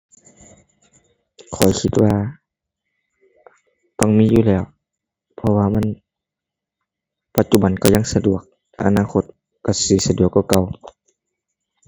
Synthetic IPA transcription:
kʰɔ̰˨˩jkʰi˧t̪̚waː˧ | t̪ɔ˧˩ŋmiː˧˥˨juː˧lɛː˧˩˨w | pʰɔ˧waː˧ma˧˥˨n | pa˧t̪̚t͡ɕu˧ba˨˦nka˧˩ɲa˧˥˨ŋsa˧du˨˩ək̚ʔa̰˧˨naː˧˥˨kʰo˧t̪̚ | ka˧˩siː˧˩sa˧du˨˩əkːa˧˩ka˧˩w

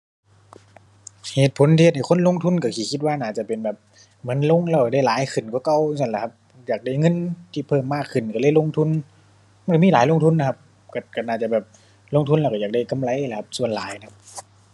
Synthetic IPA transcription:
heː˨˩t̪̚pʰo˨˦nt̪ʰiː˧t̪̚ha˨˩kʰo˧˥˨lo˧˥˨ŋt̪ʰu˧˥˨nka˧˩kʰiː˧˩kʰi˧t̪̚waː˧˨naː˧˩t͡ɕa˧˩pe˨nbɛː˨˩p̚ | mɯ˨˦˥nlo˧˥˨ŋlɛː˧wka˧˩da˧˩jlaː˨˦jkʰɯ˨˩nku˧˦ka˧˩wŋs̬a˧˩˨la˧˩kʰa˧p̚ | jaː˨˩k̚da˧˩˨jŋɤ˧˥˨nt̪ʰiː˧˩pʰɤː˧˩˨mːaː˧˩kʰːɯ˧˩nka˧˩lɤː˧˥˨jlo˧˥˨ŋt̪ʰu˧˥n | ma˧˨n˨ka˧˩miː˧˨laː˨˦jlo˧˨ŋt̪ʰu˧˥˨nla˧kʰp̚ | ka˧˩ka˧˩naː˧˩t͡ɕa˧˩bɛː˨˩p̚ | lo˧˨ŋt̪ʰu˧˨nlɛː˧˩ka˧˩jaː˨˩k̚da˧˩jka˧˨mla˧˦jla˧˩kʰa˧p̚su˧˩ənlaː˨˦jla˨kʰa˧p̚

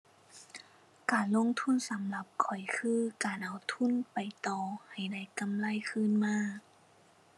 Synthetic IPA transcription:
kaː˨˩nlo˧˥˨ŋt̪ʰu˧˥˨nsa˨˦mla˧˦p̚kʰɔ˨˩jkʰɯː˧˥˩kaː˨˩nʔa˨˩wt̪ʰu˧˥˨npa˨˩jt̪ɔː˧˩ha˨˩jda˥˩jka˨mla˧˥˨jkʰɯː˧˥˨nmaː˧˥˨

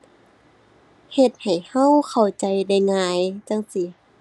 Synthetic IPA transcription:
he˧˩t̪̚ha˨˩jha˧˥˨wkʰa˨˩wt͡ɕa˧jda˧˥˩jŋaː˧jt͡ɕa˧˥˨ŋsi˧˦

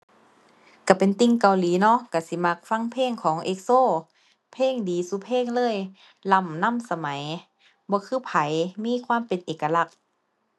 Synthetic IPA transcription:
ka˧˩pe˨nt̪i˧˩ŋka˨wliː˨˦nɔ˧˥ʔka˧˩si˧˦ma˧˩k̚fa˧˥˨ŋpʰeː˧˥˨ŋkʰɔː˨˦ŋʔe˧k̚soː˧˥˨ | pʰeː˧˥˨ŋdiː˨˦suː˧˦pʰeː˧˥˨ŋlɤː˧˥˨j | la˧˩˨mna˧˥˨msa˧ma˨˦j | bɔː˧˦kʰɯː˧˥˨pʰa˨˦jmiː˧˥˨kʰwaː˧˥˨mpe˨nʔeː˨ka˧la˧˩k̚

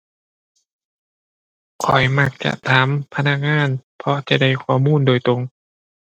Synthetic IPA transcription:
kʰɔ˨˩jma˧˩k̚t͡ɕa̰˧t̪ʰaː˨˦mpʰa˧na˧k̚ŋaː˧˥˨npʰɔ˧t͡ɕa˧˩da˥˧˩jkʰɔː˧˩muː˧˥˨ndoː˨˩jt̪ɾo˧ŋ

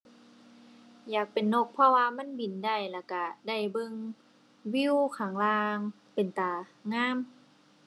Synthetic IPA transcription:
jaː˨˩k̚pe˨nːo˧˩k̚pʰɔ˧waː˧ma˧˥˨nbi˨˩nda˧˩jlɛː˧˩ka˧˩da˧˥˩jbɤ˧˨ŋ | wi˧˥˨wkʰaː˨˩˦ŋlaː˧ŋ | pe˨˩nt̪aː˨˩ŋaː˧˥˨m

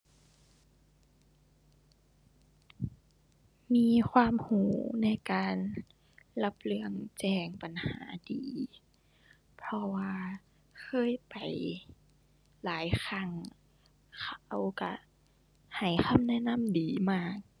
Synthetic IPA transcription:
miː˧˥˨kʰwaː˧˥˨mhuː˨˦na˧˥˩jkaː˨n | la˧p̚lɯ˧əŋt͡ɕɛː˧˩ŋpa˨˩nhaː˨˩˦diː˨˦ | pʰɔ˧waː˧ | kʰɤː˧˥˨jpa˨˩j | laː˨˦jxʰa˧˩˨ŋ | kʰa˧wka̰˧˩ | ha˨˩jxʰa˧˥˨mnɛ˧˥˨na˧˥˨mdiː˨˩maː˧˩k̚

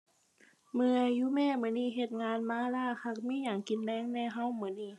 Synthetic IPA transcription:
mɯ˧əjuː˧˥˨mɛː˧˥˩mɯ˧˩˨niː˧˥˩ɦe˧t̪̚ŋaː˧nmaː˧˥˨laː˧˥˩kʰa˧˩k̚miː˧˥˨jaː˨˩ŋki˨˧˦nlɛː˧˥˨ŋnɛ˧˩ɦa˧˥˨wmɯ˧˩˨niː˧˥˩

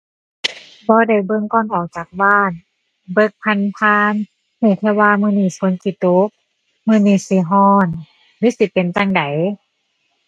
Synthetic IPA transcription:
bɔː˧˦da˨˩jbɤ˧ŋkɔː˧˩nʔɔː˨˩k̚t͡ɕaː˨˩k̚baː˧˥˩n | bɤ˧k̚pʰa˧npʰaː˧n | hi˧˩k̪ʰɛ˧waː˧˨mɯː˧niː˧˩sʰo˧˦nki˧˩t̪o˦k̚ | mɯː˧niː˧˩si˧˦ɦɔː˧˩n | li˧˦˥si˧˦pe˨nt͡ɕa˧ŋda˨˦j

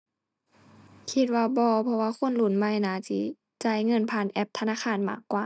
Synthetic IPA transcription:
kʰi˧t̪̚waː˧bɔː˧pʰɔ˧waː˧˨xo˧˥˨nlu˧˩˨nma˧˥˨jnaː˧˦si˧˦ | t͡ɕa˧˩jŋɤ˧˨npʰaː˧˩˨nʔɛ˧˦p̚t̪ʰa˧naː˧˥˨xʰaː˧˥˨nma̰ː˧˩kːwaː˨˩

